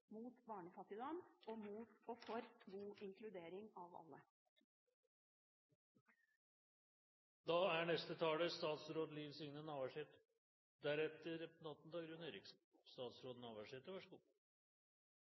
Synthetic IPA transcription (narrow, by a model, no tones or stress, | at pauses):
muːt̪bɑːɳəfɑt̪ɪd̪ɑːnɔmuːt̪fɔfɔɾɡuːɪŋkʰlʉd̪eːɾɪŋɑʋɑ̰lːə | d̪ɑːæɳɛst̪ət̪ʰɑːləst̪ɑːt̪sɾoːd̪liːʋsʏŋnənɑːʋæʂeːt̪ | d̪æɾɛt̪əɾnɑt̪ːn̩d̪ɑːɡɾʉːneːɾɪksn̩ | st̪ɑːt̪sɾoːd̪ənɑːʋæʂeːt̪əʋɑʂəɡṵː